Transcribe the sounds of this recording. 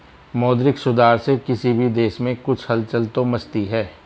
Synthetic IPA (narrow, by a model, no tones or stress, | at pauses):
mɔːd̪ɾɪksʊd̪aːɾsekɪsibʱid̪eːʃmẽkʊt͡ʃʰhɐlt͡ʃɐlt̪õmɐst̪iɦɛː